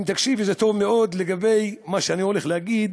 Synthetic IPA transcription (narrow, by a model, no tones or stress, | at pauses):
t̪akʃivzet̪ovmeʔo̞d̪leɡabejmaʃeaniholeχlehaɡid̪